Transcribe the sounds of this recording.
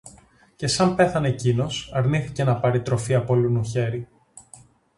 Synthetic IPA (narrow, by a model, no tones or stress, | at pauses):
ce̞sɐmpe̞θɐnecino̞sɐɾniθice̞nɐpɐɾit̪ɾo̞fiɐpolunuçe̞ɾi